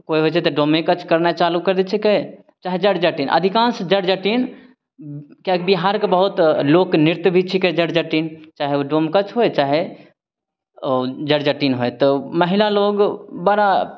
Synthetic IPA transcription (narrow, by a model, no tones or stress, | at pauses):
koiɦot͡ʃʰɛt̪ɔɖomekət͡ʃʰkəɾnat͡ʃalukəɾd̪ɛt͡ʃʰike | t͡ʃaːɦed͡ʒəɽd͡ʒəʈinʔə̰d̪ʱikãːnsd͡ʒəɽd͡ʒəʈin | kakbiɦaɾkebəɦut̪lokniɾt̪bʱit͡ʃʰiked͡ʒəɽd͡ʒəʈint͡ʃaːɦeoɖoːmkət͡ʃʰɦoet͡ʃaːɦe | d͡ʒəɽd͡ʒəʈinɦoet̪ɔməɦilaloɡbəɾa